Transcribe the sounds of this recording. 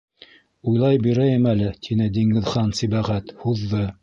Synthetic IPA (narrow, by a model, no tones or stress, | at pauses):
ujlˠɑjbiɾæjɘmælɘt̪ʰinɘd̪iŋɡɘ̆ðχɑnsibæʁæt̪huðːɤ